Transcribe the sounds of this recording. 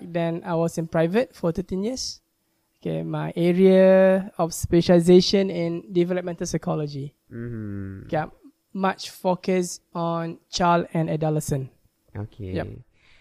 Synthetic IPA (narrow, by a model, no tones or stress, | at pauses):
k̚dɛ̃najwɔsɪ̃npɹaɪvət̚fɔtutɛ̃njiəs | okḛmaɪʔɛɹiaəɔfspɛʃəlizeʃə̃nɪ̃ndivɛləp̚mɛ̃ntəlsaɪkʰɔlɔd͡ʒi | ke | mat͡ʃfokəsɔ̃nt͡ʃalɛ̃nɛdaləsə̃n | o̰kʰejap